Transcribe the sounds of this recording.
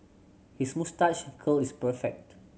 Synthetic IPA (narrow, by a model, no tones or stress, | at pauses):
hismustat͡ʃkʰɔlispəfɛk̚t